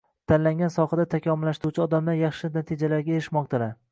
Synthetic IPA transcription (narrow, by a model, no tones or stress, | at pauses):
t̪ʰanlaŋɡʲansɒhad̪at̪ʰakʲʰɒmɪlːaʃt̪ɪɾut͡ʃʰɪɒd̪amlaɾjɑχʃɪnat̪ʰid͡ʒalaɾɡʲaeɾɪʃmɒq̚t̪ʰalaɾ